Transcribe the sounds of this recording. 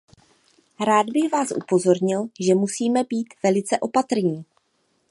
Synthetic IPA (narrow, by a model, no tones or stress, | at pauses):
ɾaːd̪bɪɣvaːsʔṵpo̞zo̞ɾɲɪlʒɛmusiːmɛbiːt̪vɛlɪt͡sɛʔo̞pat̪r̩ɲiː